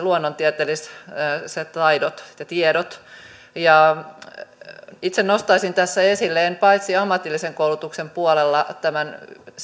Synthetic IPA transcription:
luonːont̪iɛt̪elisset̪ɑidot̪t̪ːæt̪iɛɾot̪ | jɑ | it̪senost̪ɑisint̪æsːæesilːeenpɑit̪siɑmːɑt̪ilːiseŋkoulut̪uksempuolelːɑt̪æmæn

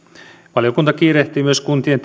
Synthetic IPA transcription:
ʋɑljokunt̪ɑkiːreht̪iːmyøskunt̪ient̪

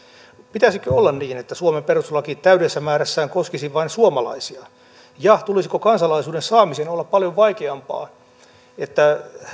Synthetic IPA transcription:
pit̪æsikøolːɑnniːnet̪ːæsuomemperuslɑkiːt̪æydesːæmæːɾæsːæːŋkoskisiʋɑinsuomɑlɑ̰isiɑ | jɑt̪ulisikokɑnsɑlɑisuːdensɑːmisenolːɑppɑljoʋʋɑikeɑmpɑ̰ː | et̪ːæ

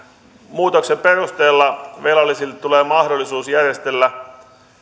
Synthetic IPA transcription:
muːt̪oksemperust̪eːlːɑʋelɑlːˑisiluleːmɑhdolːˑisuːsjærjest̪elːæ

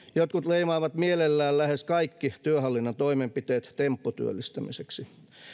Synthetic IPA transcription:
jot̪kut̪leimɑːʋɑt̪mielelːæːllæheskɑikːit̪yøhɑlːinːɑnt̪oimempit̪eːt̪t̪empːot̪y̰ø̰lːist̪æmiseksi

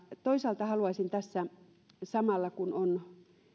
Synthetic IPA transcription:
t̪oisɑlt̪ɑhɑluɑsʲint̪æsːæ | sɑmɑlːɑkunon

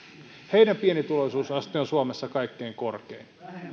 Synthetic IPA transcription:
heidæmpienit̪uloisuːsɑst̪ionsuomesːɑkɑikːeːŋkorkḛin

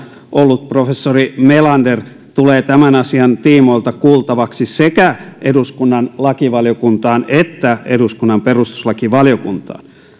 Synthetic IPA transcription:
ʔolːut̪̚profesːorimelɑnder | t̪uleːt̪æmænɑsiɑnt̪iːmoilt̪ɑkuːlt̪ɑʋɑksisekæeduskunːɑnlɑkiʋɑljokunt̪ɑːnet̪ːæeduskunːɑmperust̪u̥slɑkiʋɑljokunt̪ɑ̰ːn

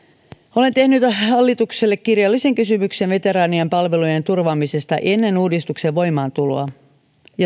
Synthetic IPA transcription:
o̞le̞nt̪e̞hnyt̪hɑlːit̪ukse̞lːekːirjɑlːise̞ŋkysymykse̞nʋe̞t̪e̞ɾɑːniɑmpɑlʋe̞luje̞nt̪urʋɑmise̞st̪ɑ̰ʔe̞nːe̞nuːdist̪ukseʋʋo̞jmɑːnt̪ulo̰ɑ | jɑ

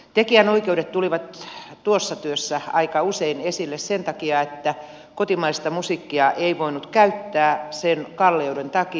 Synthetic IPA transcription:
t̪ekiænoikeuɾet̪t̪uliʋɑt̪t̪uosːɑt̪yøsːæɑikɑuseinesilːessent̪ɑkiɑet̪ːæ | kot̪imɑist̪ɑmusikːiɑʔeiʋoinut̪kæyt̪ːæːsenkɑlːeudent̪ɑki

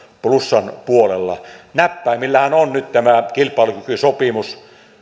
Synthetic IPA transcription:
plusːɑnpuolelːɑ̰næpːæˑimilːæhænonnyt̪t̪æmækilpˑɑˑelukykysopimus

